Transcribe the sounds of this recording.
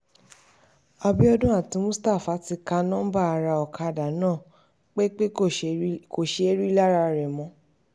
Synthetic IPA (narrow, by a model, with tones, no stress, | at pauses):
a˧bi˦ɔ˦dũ˦a˦˨tĩ˨˧˦mũ˦sta˦˨fa˨˦ti˧ka˧nã˦ba˦˨a˧ɾa˧ɔ˨kʰa˧˦˨da˨nãː˦˨ | k͡pe˦k͡pe˦ | ko˨ʃe˨˦e˦ɾi˦la˦ɾa˧ɾɛ˨mɔ̃˧˦